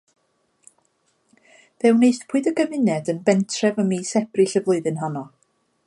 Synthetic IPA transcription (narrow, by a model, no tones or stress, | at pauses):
ðɛwneɨspʰuɨðəɡəmɪnɛdənbɛntʰrɛvəmiːsɛb̥riɬəvlˠʊɨðɨnɦanɔ